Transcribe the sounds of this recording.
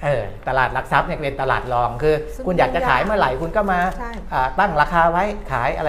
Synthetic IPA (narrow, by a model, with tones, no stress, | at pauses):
ʔɤː˨˩t̪a˧laː˨˩t̪̚la˧˥k̚sa˦˥p̚ni˥˩kpe˧nt̪a˧la̰ː˨˩t̪̚lɔː˧ŋkʰɯː˧ | kʰu˧njaː˨˩k̚t͡ɕa˨˩kʰaː˩˦jmɯ˥˩ɐla˨˩˦jkʰu˧nkɔː˥˩maː˧ | ʔəː˨˩t̪a˥˩ŋɾaː˧kʰaː˧wa˦˥jkʰa̰ː˩˦jʔa̰˧a˧